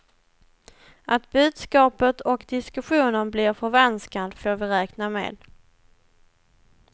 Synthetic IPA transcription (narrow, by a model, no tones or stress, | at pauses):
ʔat̪bʉ̟ːd̪skɑːpət̪ʰɔkd̪ɪskɵɧuːnənblɪɾfœɾvɛnskad̪foːɾvɪɾɛːknamḛːd̪